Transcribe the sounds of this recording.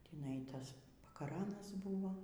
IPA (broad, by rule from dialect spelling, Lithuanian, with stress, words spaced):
tʲiːˈnɐɪ ˈtɐs pɐkɐˈrɑːnɐs ˈbʊʋoː